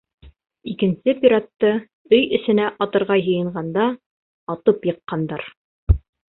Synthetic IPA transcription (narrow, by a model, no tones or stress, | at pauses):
ikɘ̆nsɘpʲiɾat̪ːɤ | ɵjɵ̆sɘ̆næʔɑt̪ɤ̆ɾʁɑjɤ̆jɤ̆ɴɢɑnd̪ɑ | ɑt̪ɤpjɤ̆qːɑnd̪ɑɾ